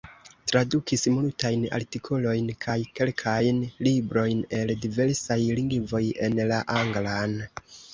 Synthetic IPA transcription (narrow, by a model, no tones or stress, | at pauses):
tɾadukʰismultajna̰ɾtikʰo̞lo̞jnkʰajke̞lkʰajnlibɾo̞jne̞ldive̞ɾsajliŋɡvo̞je̞nlaʔaŋɡlan